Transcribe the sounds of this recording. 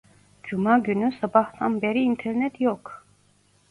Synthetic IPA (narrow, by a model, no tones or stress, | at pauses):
d͡ʒumaɟynysabaht̪ʰanbeɾiːnt̪ʰeɾnɛt̪ʰjok